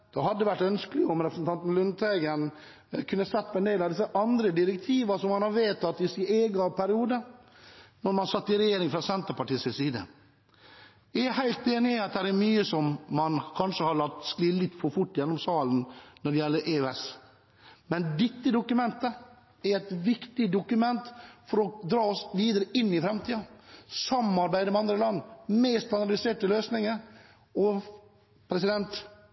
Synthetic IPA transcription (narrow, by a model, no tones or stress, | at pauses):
d̪̥ɔɦɑd̪ːəʋæʈːœnskəlɪɔmɾɛpʰɾsn̩t̪ʰɑnt̪n̩lʉnt̪ʰæɡən | kʰʉnːəsɛt̪ːpʰɔɛnd̪ɛɪlɑʋd̪ɪsːəʔɑnd̪ɾəd̪ɪɾɛk̚t̪ʰiːʋɑsɔmːɑnhɑɾʋeːt̪ʰɑt̪ːɪsɪneːɡɑpʰæɾɪuːd̪ə | nɔɾmɑnsɑt̪ːɪɾɛjeːɾɪŋfɾɑsɛnt̪əɾpɑʈiːsɪsiːd̪ə̰ | ɛhæɪlt̪eːnɪɑt̪̚d̪æɾæmyːəsɔmːɑnkʰɑnʂəhɑɾɭɑt̪ːskliːlɪt̪ːfɔɾfʊʈːjɛnːɔmsɑːlənnɔɖɛjɛlːəɾʔeːøɛs | mɛnd̪ɪt̪ːəd̪ʊkʉmɛnt̪ə | æɾɛɪt̪ʋɪkt̪ɪd̪ʊkʉmɛnt̪fɔɾɔd̪ɾɑːɔsʋiːd̪əɾəɪnːɪfɾɛmt̪ʰiːɑsɑmɑɾbæɪd̪əmɛɑnd̪ɾəlɑnːmeːst̪ʰɑnd̪ɑlɪseːʈəløːsnɪŋəɾ | ɔ | pʰɾɛsɪd̪ɛnt̪